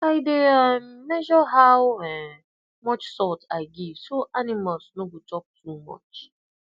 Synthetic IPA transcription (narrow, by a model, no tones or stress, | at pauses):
aɪdeamːɛʒɔɦaʊɛ | mɔt͡ʃsɔtaɪɡisoʔanimasnoɡotɔp̚tʰumɔ̰t͡ʃ